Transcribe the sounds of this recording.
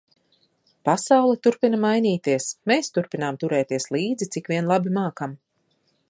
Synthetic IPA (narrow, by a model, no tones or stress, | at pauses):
pasawlˠɛt̪uɾpinamajnʲiːt̪iɛsmeːst̪uɾpinaːmt̪uɾɛːt̪iɛslˠiːd̪zit̪sikviɛnlˠabimaːkam